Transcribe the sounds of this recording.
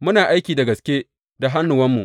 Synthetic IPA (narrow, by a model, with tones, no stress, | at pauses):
mʊ˦naː˨ʔa˦jkʲiː˨da˨ɡɐ˨skʲeː˦ | da˨ɦa˦nːʊ˨wɐ˦mːu˨ʔ